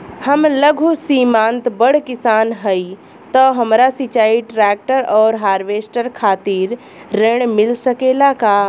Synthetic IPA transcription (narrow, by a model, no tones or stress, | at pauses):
həmləɡʱusiːmãːnt̪bəɽ̤kɪsaːnɦəi | t̪əɦɐmɾasit͡ʃaːiʈɾɛːk̚ʈəɾɔːɾɦaːɾʋeːsʈəɾkʰaːt̪iːɾː | eːɽ̃mɪlsəkelakaː